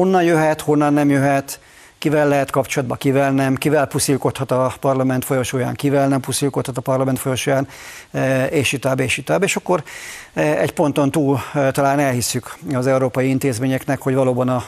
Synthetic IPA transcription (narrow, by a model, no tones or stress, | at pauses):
ho̞nːɒnjøɦɛt̪ho̞nːɒnːɛmjøɦɛt̪ | kivɛlːɛɦɛt̪kɒpt͡ʃolɒd̪bɒkivɛlnɛmkivɛlpusilko̞t̪hɒt̪ɒpɒrlɒmɛnt̪fo̞jo̞ʃoːja̰ːŋkivɛlnɛmpusilko̞t̪hɒt̪ɒpɒrlɒmɛnt̪fo̞joʃojaːn | eːʃit̪aːbeːʃit̪aːbeːʃɒkːo̞ɾ | ɛ̰ɟpo̞nt̪o̞nt̪uːlt̪ɒlaːnɛlhisːykɒzɛuɾoːpɒjiint̪eːzmeːɲɛknɛkho̞ɟvɒloːbɒnɒ